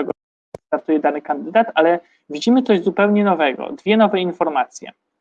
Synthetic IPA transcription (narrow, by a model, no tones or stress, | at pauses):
ɛɡɔ | t̪aɾt̪ujɛd̪anɘkand̪ɘd̪at̪alɛ | vʲid͡ʑimɘt̪sɔʑzupɛwɲɛnɔvɛɡɔ̰d̪vʲjɛnɔvɛinfɔɾmat̪sʲjɛ̰